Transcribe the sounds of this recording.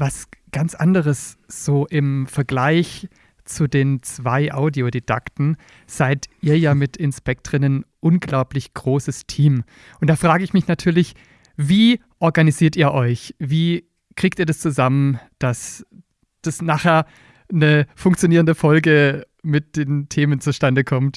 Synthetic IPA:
vasɡ̥ant͡sʔa̰ndəʁəsz̥oːʔɪmfɛɐɡlaɪç | t͡sudeːnt͡sv̥aɪʔaʊdioded̥a̰ktn̩ | z̥aɪtʔiːɐjaːmɪtɪnspɛk̚tʁ̥ɪnənʔʊnɡlaʊplɪçɡ̥ʁoːsəstʰiːm | ʔʊnt̚d̥aːfʁ̥aːɡəɪçmɪçnatʰyːɐlɪç | viː | ʔɔɐɡaniziːɐtiːɐʔɔʏçviː | kʁ̥iːk̚tiːɐdast͡suzamənd̥as | d̥asnaːχheːɐ | nəfʊŋk̚t͡sjoniːʁ̞əndəfɔlɡə | mɪt̚d̥eːntʰeːmənt͡suʃtandəkʰɔmt

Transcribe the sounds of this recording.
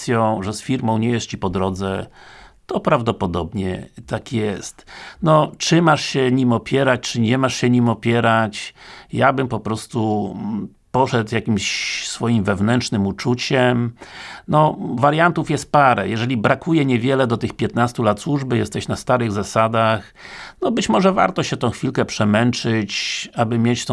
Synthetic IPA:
sʲjɔ̃w̃ʐɛsfʲiɾmɔ̃w̃ɲɛjɛʂt͡ɕipɔd̪ɾɔd̪zɛt̪ɔpɾavd̪ɔpɔd̪ɔbɲɛ̰t̪akjɛst̪nɔt͡ʂɘmaʂɕɛɲimɔpʲjɛɾat͡ɕt͡ʂɘɲɛmaʂɕɛɲimɔpʲjɛɾat͡ɕjabɘmpɔpɾɔst̪u | pɔʂɛd̪jakʲimɕsfɔjimvɛvnɛntʂnɘmut͡ʂut͡ɕɛmnɔvaɾjant̪ufjɛst̪̚paɾɛjɛʐɛlʲibɾakʰujɛɲɛvʲjɛlɛd̪ɔt̪ɘxpʲjɛt̪nast̪ulat̪swuʐbɘjɛst̪ɛɕnast̪aɾɘɣzasad̪ax | nɔbɘt͡ɕmɔʐɛva̰ɾt̪ɔɕɛt̪ɔ̃w̃xfʲilkɛpʂɛmɛnt͡ʂɘt͡ɕabɘmʲjet͡ɕt̪ɔ̃

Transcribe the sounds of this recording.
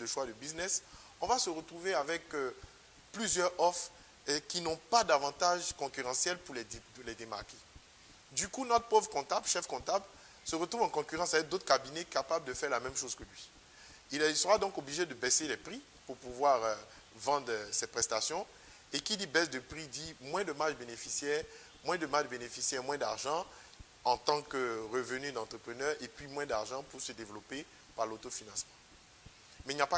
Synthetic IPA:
d̪əʃwad̪əbiznɛs | ɔ̃vasəʁət̪χuveavɛk | plyzjœʁɔf | kʲinɔ̃pad̪avɑ̃t̪aʒkɔ̃kʲyʁɑ̃sjɛlpuʁlɛlɛd̪ema̰ʁke̥ | d̪ykunɔt̪χəpovʁəkɔ̃t̪ablʃɛfkɔ̃t̪abl | səʁət̪ʁuvɑ̃kɔ̃kʲyʁɑ̃savɛk̚d̪ot̪χkabinɛkapabld̪əfɛʁlamɛmʃozkəlɥi | ilsəʁad̪ɔ̃kobliʒed̪əbɛselɛpχi | puʁpuvwaʁ | vɑ̃d̪ʁsɛt̚pχɛst̪asjɔ̃ | ekilibɛsd̪əpχid̪imwɛ̃d̪əmaʒbenefisjɛːʁ | mwɛ̃d̪əmaʒbenefisjɛʁmwɛ̃d̪aʁʒɑ̃ | ɑ̃t̪ɑ̃kəʁəvənyd̪ɑ̃t̪χəpχənœʁepɥimwɛ̃d̪aʁʒɑ̃puʁsəd̪evlɔpe | paʁlot̪ofinɑ̃smɑ̃ | mɛilnɲjapa

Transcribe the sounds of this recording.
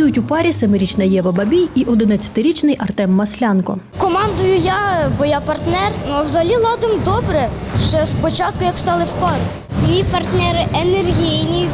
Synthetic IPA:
ujʊtʲupɑɾʲisɛmɪɾʲit͡ʃnɐjɛʋɐbɐbʲijiʔɔd̪ɪnɐt͡sʲːɐ̥t̪ɪɾʲit͡ʃnɪjʔɐrt̪ɛmːɐsʲlʲɑnkɔ | kɔmɑnd̪ʊjʊjabɔjapɐrt̪nɛrnuwzɐɦɐlʲilˠɑd̪ɪmd̪ɔbɾɛʃt͡ʃɛspɔt͡ʃɑt̪̚kʊjɐkst̪ɑlˠɪwpɑɾ | mʲijpɐrt̪nɛɾɪʔenerɦʲijnʲi

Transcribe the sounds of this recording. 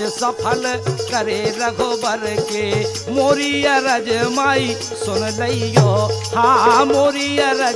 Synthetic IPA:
sɐpʰəlkɐɾeɾɐkʰɔbɐɾke | moɾijaɾɐd͡ʒmai | sonləijɔhãmoɾijaɾɐ

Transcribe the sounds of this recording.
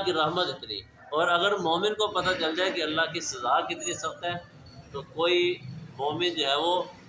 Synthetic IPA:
kiɾɐɦmət̪ɪt̪ɾḭː | ɔːɾɐɡəɾmoːmɪnkopɐt̪at͡ʃɐld͡ʒaːekiɐlːaɦkisɐzaːkit̪ɪɾisɐk̚t̪aɦɛ | t̪okoːimoːmɪnd͡ʒoːɦɛʋo

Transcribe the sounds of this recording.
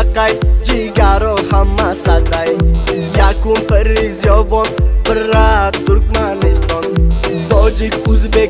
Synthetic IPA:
kajd͡ʒiɡaɾɔhamːasat̪aj | jakunpəɾizjɔvɔnpəɾat̪uɾkmanist̪ɔnt̪ɔd͡ʒikuzbe

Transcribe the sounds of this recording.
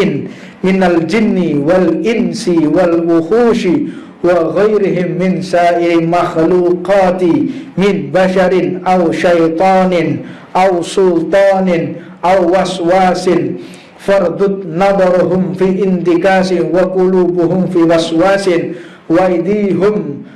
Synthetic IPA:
ɪn | mɪnald͡ʒɪnːɪwalʔɪnsɪwalwʊxuːʃɪ | waɣajɾɪɦɪmːɪnsaːʔɪɾɪmaxluːqɑːt̪ɪmɪnbaʃaɾɪnʔawʃajt̪ˤɑːnɪn | ʔawsʊlt̪ˤɑːnɪn | ʔawːaswaːsɪn | fɑɾˤd̪ʊt̪nɑd̪ˤɑɾˤɦʊmfiːʔɪnt̪ɪkaːsɪwaqʊluːbʊɦʊmfiːwɑswaːsɪn | wajd̪iːɦʊm

